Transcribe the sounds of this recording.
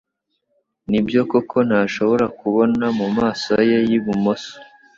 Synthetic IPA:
nibjo̞kokʰo̞n̥haːʃo̞βo̞ɾakuβo̞namumaːsoje̞jiβumoso̥

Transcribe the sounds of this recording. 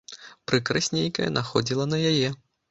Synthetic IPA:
pɾɨkɾasʲnʲejkɐjɐ̰nʔaxɔd͡zʲilˠɐnɐjajɛ

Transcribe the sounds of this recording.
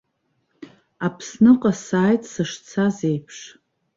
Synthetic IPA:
apʰsnɨqʼasaːjtʼʰsɨʂt͡sʰazejpʰʂ

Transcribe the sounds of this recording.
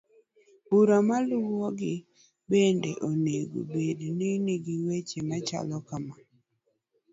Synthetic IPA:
uɾamalʊwɔɡɪ | bendeʔoneɡo̰bedneniɡiwet͡ʃemat͡ʃa̰lɔkama

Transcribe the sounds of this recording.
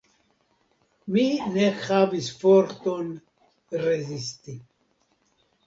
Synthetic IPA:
minexavisfoɾt̪on | rezist̪i

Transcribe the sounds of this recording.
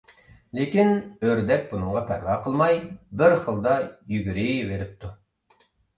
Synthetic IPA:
lekʲinøɾd̪ɛk̚ʲbunɨŋʁɑpʰæɾvɑːqʰəlˠmɑjbɪɾχəlˠd̪ɑjyɡʲyɾɪveɾɪp̚t̪ʰu

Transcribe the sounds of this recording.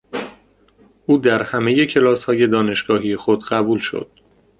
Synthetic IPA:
ʔuːd̪æɾhæme̞je̞cʰe̞lɒːshɒːje̞d̪ɒːne̞ʃɡ̥ɒːɦijexod̪ɢæbuːlʃo̞̰d̪̥̚

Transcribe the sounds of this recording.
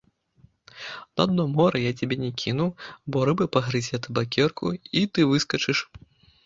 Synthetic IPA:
nad̪̚nɔmɔɾɐjat͡sʲabʲɛnʲɛkʲʰinuwbɔɾɨbɨpɐɣɾɨzʲɛt̪ɨbakʲɛrkʰuit̪ɨvɨskɐt͡ʂɨʂ

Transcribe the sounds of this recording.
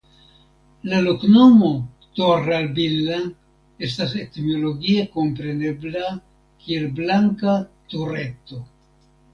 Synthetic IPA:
lalokno̞mo̞ | toɾalbilːa | e̞staset̪mo̞lo̞ɡieko̞mpɾe̞ne̞bla | kielblaŋkat̪uɾe̞t̪o̞

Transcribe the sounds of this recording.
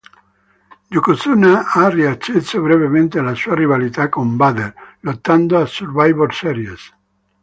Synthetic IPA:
d͡ʒukosunaariat͡ʃesoβɾevemẽnt̪ealasuariβalit̪akombaðeɾlot̪ːand̪oasuɾbajβolsɛɾjes

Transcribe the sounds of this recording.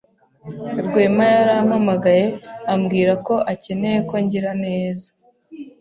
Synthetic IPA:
ɾɡwe̞ːmajaɾamamaɡaje̞amɡiːɾako̞ʔace̞ne̞je̞ko̞ɲɟiɾane̞ːzḁ

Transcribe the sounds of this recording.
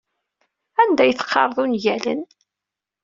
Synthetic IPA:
ænd̪æjəθə̥qʰːɑ̰ɾˤðˤunjælə̰n

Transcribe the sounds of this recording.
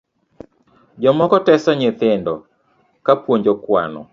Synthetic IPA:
d͡ʒɔmɔkɔtɛsɔɲɪt̪ɪndɔ | kapwoɲd͡ʒokwa̰nɔ̰

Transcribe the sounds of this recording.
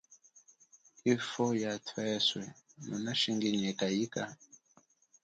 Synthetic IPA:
ifɔjatʰwɛswɛmunaʃiŋɡiɲɛkajika

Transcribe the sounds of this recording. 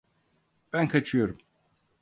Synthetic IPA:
b̥ænkʰat͡ʃʰɯjo̞ɾum

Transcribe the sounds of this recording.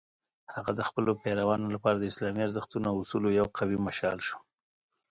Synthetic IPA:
haɣad̪əxpəlopeɾawɑnolapɑɾad̪əɪslɑmiaɾzəxt̪unoawʊsulojawqawimaʃɑlʃo̥

